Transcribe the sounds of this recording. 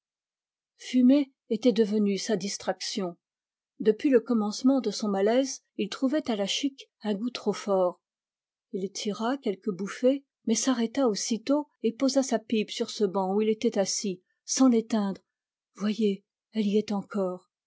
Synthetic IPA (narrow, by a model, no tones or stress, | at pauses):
fyme | et̪ɛd̪əvənysad̪ist̪χaksjɔ̃ | d̪əpɥiləkɔmɑ̃smɑ̃d̪əsɔ̃malɛz | ilt̪χuvɛt̪alaʃikɛ̃ɡut̪χofɔːʁ | ilt̪ʰiʁakʲɛlkəbufe | mɛsaʁɛt̪aosit̪oepozasapipsyʁsəbɑ̃uilet̪ɛt̪asi | sɑ̃let̪ɛ̃d̪ʁ | vwaje | ɛliɛt̪ɑ̃kɔːʁ